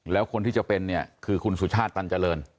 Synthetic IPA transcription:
lɛː˦˥wkʰo˧nt̪iː˥˩t͡ɕa˩pe˧nːi˥˩ɐkʰɯː˧kʰu˧nsu˩˦t͡ɕʰaː˥˩t̪ːa˧nt͡ɕa˧lɤː˧n

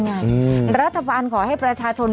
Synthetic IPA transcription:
ŋa˧jɾa˦˥t̪ʰːa˧baː˧nkʰɔː˩˦ɦa˥˩jpɾa˧t͡ɕʰaː˧t͡ɕʰo˧n

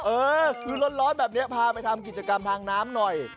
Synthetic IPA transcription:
ʔɤː˧kʰɯː˧lo˦˥t̪̚ɾlɔː˦˥nbɛː˨˩p̚ni˦˥ɐpʰaː˧pa˧jt̪ʰa˧mk̬i˨˩t͡ɕa˧ka˧mt̪ʰaː˧ŋnaː˦˥mnɔ˨˩j

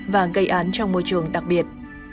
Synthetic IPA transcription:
vaː˨˩ɣə˧jʔaː˨˦nt͡ɕɔ˧wŋ͡mmo˧jt͡ɕɨ˨˩əŋɗa˨˩k̚ɓi˨˩ət̚

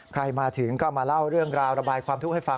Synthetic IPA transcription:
kʰɾa˧jmaː˧t̪ʰɯ˩˦ŋkʰɔ˥˩wmaː˧la˥˩wɾɯ˥˩əŋɾaː˧wɾa˧baː˧jkʰwaː˧mt̪ʰu˦˥k̚ha˥˩fa˧

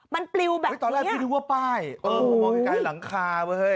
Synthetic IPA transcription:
ma˧npli˧wbɛː˨˩˦t̪ɔː˧nlɛː˥˩˦i˥˩i˧wo˥˩paː˥˩jʔɤː˧˩˧ka˧˥˩la˩˦ŋkʰaː˧wə˧˥˩

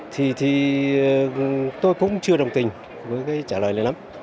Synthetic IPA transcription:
t̪ʰi˨˩t̪ʰi˨˩˨ | t̪o˧jkʊ̰˧˥ŋ͡mt͡ɕɨ˧əɗə˨˩wŋ͡mt̪ï˨˩ŋ̟ | vəː˨˦jkaː˨˦jt͡ɕaː˧˩ləː˨˩lə˧nla˨˦m

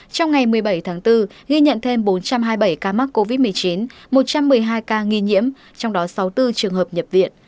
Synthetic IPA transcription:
t͡ɕɔ˧wŋ͡mŋa˨˩jmɨ˨˩əjɓə˧˩jt̪ʰaː˨˦ŋt̪ɨ˧ɣi˧ɲə̰˧˨nt̪ʰe˧mɓo˨˦nt͡ɕa˧mɦaː˧jɓə˧˩jkaː˧m˦˥k̚ko˧vi˦˥t̚mɨ˨˩əjt͡ɕi˨˦n | mo˨˩t̚t͡ɕa˧mːɨ˨˩əjɦaː˧jkaː˧ŋi˧ɲḭ˧˥əm | t͡ɕɔ˧wŋ͡mɗɔ˨˦sa˨˦wt̪ɨ˧t͡ɕɨ˨˩əŋɦəː˨˩p̚ɲə˨˩p̚vḭ˧˨ən

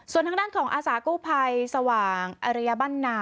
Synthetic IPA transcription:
su˨˩ənt̪ʰa˧˥daː˥˩nkʰɔː˩˦ŋʔaː˧saː˩˦kuː˥˩pʰa˧jsa˧waː˨˩ŋʔa˧ɾa˦˧jːa˧ba˥˩nːaː˧˦˥

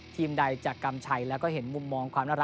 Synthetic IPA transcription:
t̪ʰiː˧mda˧jt͡ɕaː˨˩kːa˧mt͡ɕʰa˧jlɛː˦˥wkɔː˥˩ɦe˩˦nmu˧mːɔː˧ŋkʰwaː˧mnaː˥˩ɾ

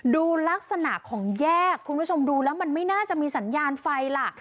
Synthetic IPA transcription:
duː˧la˦˥k̚sa˧na˨˩ʔkʰːɔː˩˦ŋjɛː˥˩kʰːu˧npʰu˥˩o˧mduː˧lɛː˦˥wma˧nma˥˩jnaː˥˩t͡ɕa˨˩ʔmiː˧sa˩˦njaː˧nfa˧jla˨˩ʔ

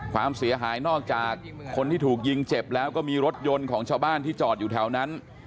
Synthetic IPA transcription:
kʰwa̰ː˧msi˨˩˦ɐɦaː˩˦jnɔː˥˩k̚t͡ɕaː˨˩kʰːo˧nt̪ʰiː˥˩t̪ʰuː˨˩k̚ji˧ŋt͡ɕe˨˩p̚lɛː˦˥wkɔː˥˩miː˧ɾo˦˥t̪̚jo˧nkʰɔː˩˦ŋt͡ɕʰaː˧wbaː˥˩nt̪iː˥˩t͡ɕɔː˨˩t̪̚juː˨˩t̪ʰɛ˩˦wna˦˥n

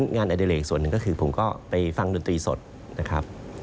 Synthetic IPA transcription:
nŋaː˧nʔa˧di˧leː˨˩k̚su˨˩ənːɯ˨˩ŋkɔː˥˩kʰɯː˧pʰo˩˦mkɔː˥˩pa˧jfa˧ŋdoː˧nt̪ɾiː˧so̰˨˩t̪̚ | na˦˥kʰɾa˦˥p̚

